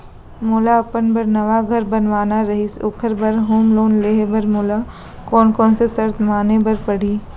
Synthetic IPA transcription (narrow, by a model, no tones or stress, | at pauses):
moːlaɐpənbɐɾnɐʋaɡʱɐɾbɐnʋaːnaɾɐɦisoːkʰəɾbɐɾɦoːmloːnleːɦebɐɾmoːla | kɔːnkɔːnsesɐɾt̪ʰmaːnebɐɾpɐɽ̤iː